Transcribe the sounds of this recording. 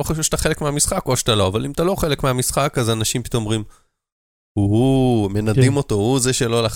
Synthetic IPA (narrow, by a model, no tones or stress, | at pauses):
oχaʃufʃt̪aχe̞lekmeamisχako̞ʃt̪alo̞avalimtalo̞χe̞lekmeamisχakazanaʃimpi̥t̪o̞momʁim | huɦume̞nad̪imo̞to̞huzeʃelo̞la